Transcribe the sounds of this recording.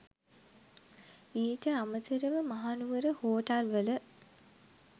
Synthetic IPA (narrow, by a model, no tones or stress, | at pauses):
iːʈəamət̪iɾəʋəmaɦanuʋəɾəhoːʈalʋələ